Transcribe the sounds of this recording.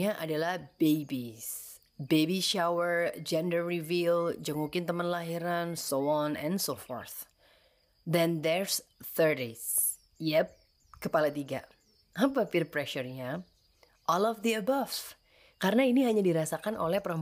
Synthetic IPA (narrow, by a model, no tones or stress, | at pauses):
aʔadalahbebis | bebiʃawərd͡ʒɛndərːivild͡ʒəŋukɪnt̪əmənlaɦiɾansoɔnɛ̰̃nsofɔ̰rθ | d̪ɛnd̪ɛɹsθərdes | jɛp̚ | kəpalat̪iɡa̰ | apafirpɾɛʃərɲa | ʔɔlɔfd̪iəbav̥ | kaɾənainiɦaɲadiɾasakanʔo̰lɛhpəɾəm